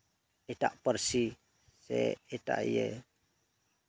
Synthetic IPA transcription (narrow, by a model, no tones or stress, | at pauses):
it̪a̰ʔpərsi | seet̪a̰ʔḭje